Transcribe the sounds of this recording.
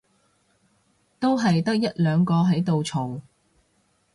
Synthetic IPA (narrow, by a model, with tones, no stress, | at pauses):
t̪o˥wɦɐ˨jt̪ɐ˥k̚jɐ˥t̚lœː˨˧ŋkɔː˧ɦɐ˨˥jt̪o˨wt͡sʰo˨˩w